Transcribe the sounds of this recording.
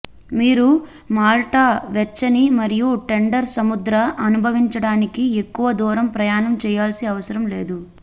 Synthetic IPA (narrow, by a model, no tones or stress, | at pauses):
miːɾu | maːlʈaːʋɛt͡ʃːɐnimɐɾijuʈe̞ɳɖɐɾsɐmud̪ɾɐʔɐnubʱɐʋiɲt͡ʃɐɽaːnikiekːuʋɐd̪ɔːɾɐmpɾɐjaːnɐmt͡ʃɛːjaːlsiɐʋɐsɐɾɐmlḛːd̪u